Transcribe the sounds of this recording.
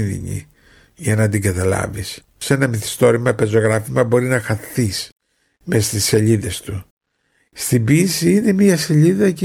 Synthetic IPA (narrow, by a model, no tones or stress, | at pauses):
ðḭɲḭ | ʝɐnɐd̪iɡɐt̪ɐlɐ̰vis | se̞nɐmiθi̥st̪o̞ɾimɐpe̞zo̞ɣɾɐfimɐbo̞ɾinɐxɐθis | mesɐst̪ise̞ʎiðe̞st̪u | st̪ibisiine̞miɐse̞ʎiðɐc